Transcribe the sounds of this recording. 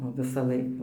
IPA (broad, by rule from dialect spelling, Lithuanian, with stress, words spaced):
oː ʋʲɪsɐˈlˠɐɪk